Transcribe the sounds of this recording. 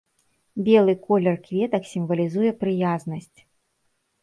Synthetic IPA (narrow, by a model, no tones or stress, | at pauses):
bʲɛlˠɨkɔlʲɛrkvʲɛt̪ɐksʲimvɐlʲizujɛpɾɨjaznɐsʲt͡sʲ